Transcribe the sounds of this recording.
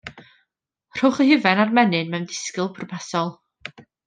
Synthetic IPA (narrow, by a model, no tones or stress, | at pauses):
r̥owχəhɪvɛnarmɛnɨnmɛwndɪ̥skɪlˠpʰrɔpʰɛsɔlˠ